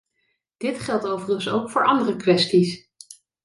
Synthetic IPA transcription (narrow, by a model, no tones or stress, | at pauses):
d̥ɪtχɛlˠtowvərənso̰wkfʊːɹʔɑndərəkʋɛstis